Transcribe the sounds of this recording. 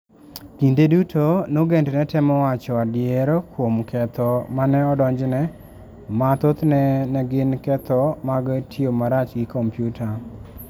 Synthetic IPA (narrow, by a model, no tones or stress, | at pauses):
kindedutʰonoɡendnɛtɛmɔwat͡ʃɔadɪeɾokwomkʰɛt̪ɔmanɛɔdɔɲd͡ʒnɛ | mat̪ot̪nɛnɛɡɪnkɛt̪ɔmaɡtʰɪomaɾat͡ʃɡɪkʰɔmpjutʰa